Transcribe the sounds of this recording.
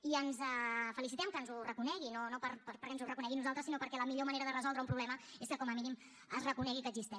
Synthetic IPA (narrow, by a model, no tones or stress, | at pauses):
iənzəfəlisit̪ɛmkəːnzurəkunɛɣinonopəɾpəɾpəɾkɛnzurəkunɛɣinuzalˠt̪ɾəsinopəɾkɛləmiʎoməneɾəðərəzɔlˠd̪ɾəumpɾuβlɛməeskəkɔməminim | əzrəkunɛɣikəːɡzist̪ɛ